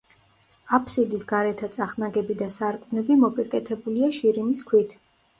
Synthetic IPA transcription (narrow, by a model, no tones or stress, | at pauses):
apʰsid̪isɡaɾɛt̪ʰat̪sʼaχnaɡɛbid̪asaɾkʼnɛbimɔpʼiɾkʼɛt̪ʰɛbuliaʃiɾiniskʰwit̪ʰ